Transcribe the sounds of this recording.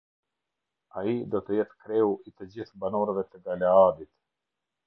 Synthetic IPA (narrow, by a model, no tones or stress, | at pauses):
aid̪ɔt̪əjɛt̪kɾɛuit̪əd͡ʑiθbanɔɾəvɛt̪əɡalaad̪it̪